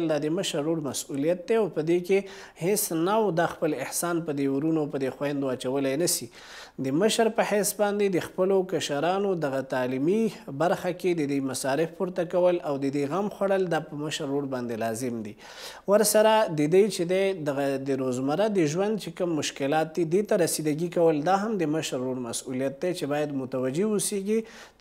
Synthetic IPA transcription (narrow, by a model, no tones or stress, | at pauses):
ld̪ɑd̪əməʃaɾːoɽmasulijat̪̚d̪eawpəd̪eke | hesnawd̪ɑxpəlɪhsɑnpəd̪euɾunopəd̪exwand̪owɑt͡ʃawəlajnasi | d̪əməʃəɾpəhesbɑnd̪ed̪əxpəlokaʃaɾɑnod̪aɣat̪ɑlimibaɾxaked̪əd̪əjmasɑɾɪfpuɾt̪akawəlawd̪əd̪əjɣamxwaɽəld̪ɑpəməʃɾːoɽbɑnd̪elɑzɪmd̪i | wəɾsaɾad̪əd̪əjt͡ʃed̪ed̪aɣad̪əɾozmaɾad̪əʒwand̪̚t͡ʃekəmːʊʃkɪlɑt̪̚d̪id̪et̪aɾasid̪aɡikawəld̪ɑɦamd̪əməʃɾːoɽmasulijat̪̚d̪et͡ʃebɑjad̪mʊt̪awad͡ʒeʊseɡi